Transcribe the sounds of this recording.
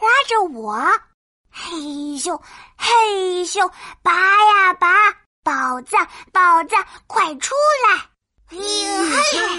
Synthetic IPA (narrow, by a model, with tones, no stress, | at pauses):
xwa˥ʈ͡ʂə˨wɔ˨˩˦ | xe˥˧ɪɕjo˥˩ʊxe˥˧ɪɕjo˥˩pa˨˥ja˥˧pa˧˥ | pɑ˨˩ʊt͡sa˥˩ŋpɑ˨˩ʊt͡sa˥˩ŋkʰwa˨˩ɪʈ͡ʂʰu˥la˧˥ɪ˥